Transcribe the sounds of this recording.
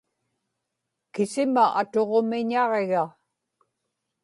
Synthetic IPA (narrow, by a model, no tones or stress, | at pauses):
kɪsɪmaʔat̪o̞ʁo̞mɪɲɑʁeɣa